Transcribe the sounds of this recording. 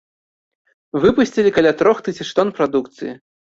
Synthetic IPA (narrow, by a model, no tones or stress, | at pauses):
vɨpusʲt͡sʲilʲikalʲat̪ɾɔxt̪ɨsʲit͡ʂt̪ɔnpɾad̪ukt̪sɨji